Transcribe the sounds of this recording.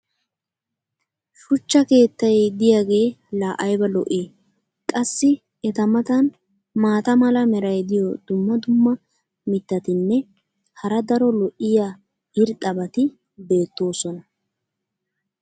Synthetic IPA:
ʃʊt͡ʃːɐke̞ːt̪ːɐjd̪ɪjaːɡe̞ːlaːʔɐjbɐlɔʔeː | kʼɐsːɪ | ɛt̪ɐmɐt̪ɐn | maːt̪ɐmɐlɐmɛɾɐjd̪ɪjɔd̪ʊmːɐd̪ʊmːɐ | mɪt̪ːɐt̪ɪnːɛ | hɐɾɐd̪ɐɾɔlɔʔɪjaː | ɪɾt̪ʼɐbɐt̪ɪ | be̞ːt̪ːo̞ːsɔnɐ

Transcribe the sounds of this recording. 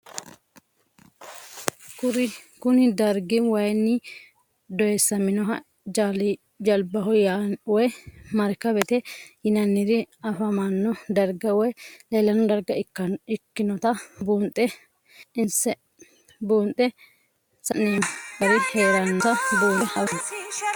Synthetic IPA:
kʊɾɪkʊnɪd̪ɐɾɡɪwɐjnːɪ | d̪ɔjɛsːɐmɪnɔɦɐ | d͡ʒaːlɪ | d͡ʒɐlbɐɦɔjawɔjmɐɾkːɐbɛt̪ɛjɪnɐnːɪd̪ɪɐfɐmɐnːɔd̪ɐɾɡɐwɔjleːlɐnːɔd̪ɐɾɡɐkːɐɪkːɪnɔt̪ɐbuːnt̪ʼɛ | ɪnsɛ | buːnt̪ʼːɛ | sɐnːinɐɾɪheːɾɐnːɔt̪ɐbuːnɐ

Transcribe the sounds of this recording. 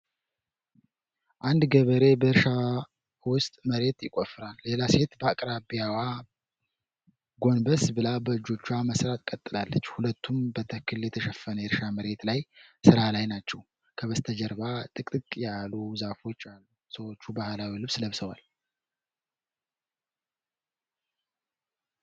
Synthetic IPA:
ʔand̪ɡəβəɾe̞bəɨɾʃa | wʊst̪ʼməɾe̞t̪jɪkʼofːɨɾalːe̞lase̞t̪bəakʼɾabijawa | ɡo̞nbəsbɨlabəɨd͡ʒːot͡ʃːuaməsɾat̪̚kʼət̪ʼːɨlalːət͡ʃːhulət̪ʰːumbət̪ʰəkːɨljɛt̪ʰəʃɛfːənəjɪɾʃaməɾe̞t̪lajsɨɾalajnat͡ʃːɛw | kʰəβəst̪ʰəd͡ʒəɾbat̪ʼɨk̪ʼɨkʼjaluzafo̞t͡ʃːalːu | səwo̞t͡ʃːubahlawilɨβsləβsəwa̰l

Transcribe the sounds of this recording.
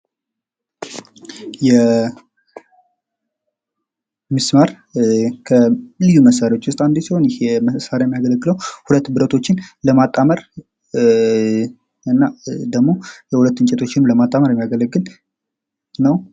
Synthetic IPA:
jɛ | mɨsmaɾ | kʰəlɨjːuməsːaɾiwo̞t͡ʃːwʊst̪ʼand̪esiho̞njheɛməsaɾajɛmijaɡələɡːɨləwhulət̪ːbɨɾət̪ʰo̞t͡ʃːɪnləmat̪ʼːaməɾ | ɨnːad̪əɡmo̞jɛhulət̪ːɨɲt͡ʃʼɛt̪ʰo̞t͡ʃːɪnləmat̪ʼːaməɾjɛmːijaɡələɡːɨl | nəw

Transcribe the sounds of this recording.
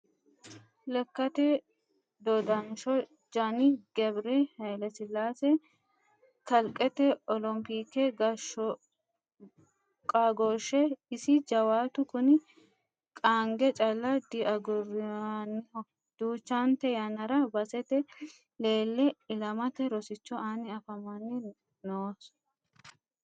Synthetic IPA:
lɐkːɐt̪ɛ | d̪ɔd̪ɐnʃɔ | d͡ʒɐniɡ̥ɛbɾehɐjlɐsɪlːaːsɛ | kɐlkʼːɛt̪ɛɔlɔmpiːkːɛɡɐʃɔ | kʼaɡoʃɛɪsɪd͡ʒɐwaːt̪ʊkʊnɪ | kʼaːŋɡɛt͡ʃʼɐlːɐd̪ɪʔɐɡɔrn | d̪̥uːt͡ʃːaːnt̪ɛjɐnɐɾɐbɐsɛt̪ɛ | le̞ːlːɛɪlɐmɐt̪ɛɾɔsɪt͡ʃːɔaːnɪɐfɐmɐnːɪ | noːs

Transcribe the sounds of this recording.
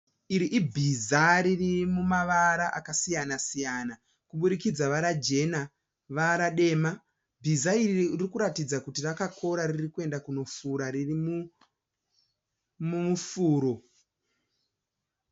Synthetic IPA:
iɾiʔibʱizaɾirimumaʋaɾaʔakasijanasijana | kuɓuɗikid͡zaʋaɾad͡ʒe̞na | ʋaɾaɗe̞ːma | bʱizairirikuɾatid͡zakutirakakʰo̞ɾariirikue̞ndakuno̞fuɾaririmu | mumufuːɾo̞

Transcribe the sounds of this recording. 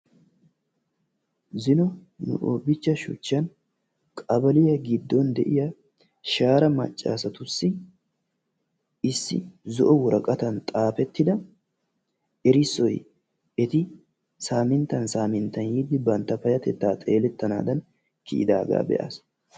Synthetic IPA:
zɪnɔnʊ̰ʔoːbɪt͡ʃːɐʃʊ̰t͡ʃːɐn | kʼɐbɐlɪjɐɡɪd̪ːɔnd̪ɛʔɪjɐ | ʃaːɾɐmɐ̰t͡ʃʼːa̰ːsɐt̪ʊsːɪ | ɪsːɪ̰zɔ̰ʔɔwɔɾɐkʼɐt̪ɐnt̪ʼaːfɛt̪ːɪd̪ɐ | ɛɾɪsːɔj | ɛt̪ɪ | saːmɪnt̪ːɐnsaːmɪnt̪ːɐnjid̪ːɪbɐnt̪ːɐfɐjɐt̪ɛt̪ːaːt̪ʼeːlɛt̪ːɐna̰ːd̪ɐn | kɪ̰ʔɪ̰d̪a̰ːɡa̰ːbɛ̰ʔa̰s

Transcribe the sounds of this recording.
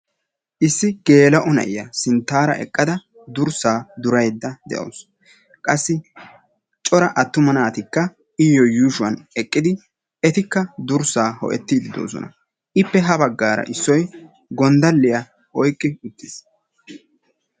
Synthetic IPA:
ʔɪsːɪɡ̥e̞ːlɐʔʊnɐ̰ʔɪjɐsɪnt̪ːaːɾɐ̰ʔɛ̰kʼːɐd̪ɐ | d̪ʊɾsaːd̪ʊɾɐjd̪ːɐd̪ɛ̰ʔo̰ːs | kʼɐsːɪ | t͡ʃʼɔɾɐʔɐt̪ːʊmɐnaːt̪ɪkːɐ | ɪjɔjuːʃʊwɐnɛkʼːɪd̪ɪ | ɛt̪ɪkːɐd̪ʊɾsaːhɔ̰ʔɛt̪ːiːd̪ɪd̪o̞̰ːsɔ̰nɐ̰ | ʔɪpːɛɦɐbɐɡːaːɾɐ̰ʔɪsːɔj | ɡɔnd̪ɐlːɪjɐ | ɔjkʼːɪʊt̪ːɪs

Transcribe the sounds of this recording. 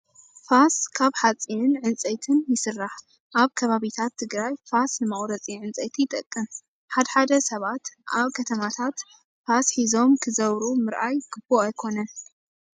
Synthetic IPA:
faskʰaβħat͡sʼinɨnʕɨnt͡sʼɐjt̪ʰɨnjɪsɨrːaħ | ʔaβkʰɐβaβit̪ʰat̪ʰːɨɡɾajfasnɨmɐχʼɾɐt͡sʼiʕɨnt͡sʼɐjt̪ʰijɪt̪ʼɐkʼːɨm | ħad̪ħad̪ɐsɐβat̪ʔaβkʰɐt̪ʰɐmat̪ʰat̪ | fasħizo̞mkʰɨzɐβɾumɨɾʔajɡ̥ɨboajkʰo̞nɐn

